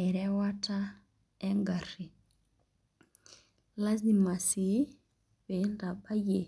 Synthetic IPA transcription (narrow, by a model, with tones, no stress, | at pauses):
ɛ˨ɾɛ˦wa˦ta˦ | ɛ˦ŋɡa˨ri˨ | la˦zi˨ma˨si˨˦ | βe˨˦nda˨ɓa˦je˨